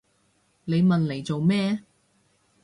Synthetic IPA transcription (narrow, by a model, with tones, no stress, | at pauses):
le˨˧jmɐ˨nle˨˩jt͡so˨wmɛː˥